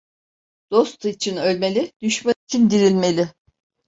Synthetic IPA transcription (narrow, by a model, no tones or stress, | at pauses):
d̪̥o̞st̪ʰɯit͡ʃʰinø̞lʲme̞lʲid̪̥yʃmat͡ʃʰind̪iɾilʲme̞lʲɪ